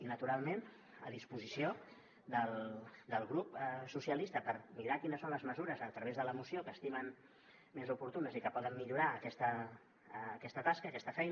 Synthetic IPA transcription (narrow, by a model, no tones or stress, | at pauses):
inət̪uɾalˠmen | ə̰ðispuzisio | d̪əlˠd̪əlˠɣɾupəsusiəlist̪əpəɾmiɾakinəsːonləzməzuɾəzət̪ɾəβezðələmusiokəːst̪imən | mezupuɾt̪unəzikəpɔðəmːiʎuɾaəkɛst̪əː | kɛst̪ət̪askəːkɛst̪əfɛjnə